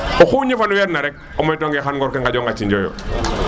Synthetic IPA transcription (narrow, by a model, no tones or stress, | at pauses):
oxuɲifanujaɾnaɾɛk̚ɔmɔjtoŋɡexanɡɔɾkɛŋkaɟɔŋɡat͡ʃiɲd͡ʒojɔ̰